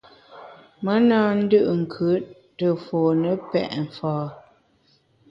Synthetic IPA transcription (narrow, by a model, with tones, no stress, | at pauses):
mə˦naː˦n̩˦dɯ˦ʔŋ̩˨kʰə˨˦ | tə˨foː˨nə˦pɛ̰˨ʔɱ̩˨fɔː˨